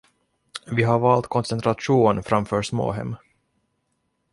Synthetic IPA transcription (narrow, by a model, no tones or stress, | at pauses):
vɪɦaɾvɑːlt̪kʰɔnsɛnt̪ʰɾaʂuːnfɾamfœːʂmo̰ːɦɛ̰mː